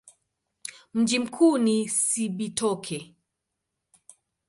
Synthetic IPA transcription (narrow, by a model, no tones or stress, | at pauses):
m̩d͡ʒim̩kʰunisiɓitʰɔkʰɛ